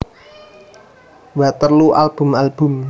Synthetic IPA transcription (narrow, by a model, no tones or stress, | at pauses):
wat̪ərluʔa̰lb̥ʊ̤malb̥ʊ̤m